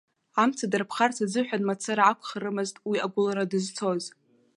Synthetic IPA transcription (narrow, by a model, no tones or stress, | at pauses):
amt͡sʰadarpʰχartʰazɨħᶣanmat͡sʰaɾaakʷʰχaɾɨmɨztʼwiaɡʷʊlaɾadɨzt͡sʰo̞z